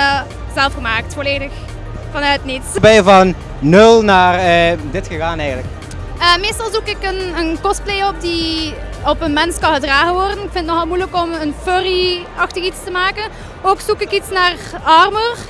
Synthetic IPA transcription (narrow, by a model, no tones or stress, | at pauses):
z̥ɛlˠfɣəmaːk̚tfoleːdəx | vɑnœɥtnitsbɛjvɑnː | ɵlˠnaːrədɪtxəɣaːnɛjɣənlək | əmeːstɑlˠzukɪkənənkɔsplejɔp̚di | ɔpənmɛnskɑnɣədraːɣənʋɔrdənɪkfɪntnɔxɑlˠmujləkɔmənføriɑxtəɣitstəmaːkən | oːksukɪkitsnaːrɑrmur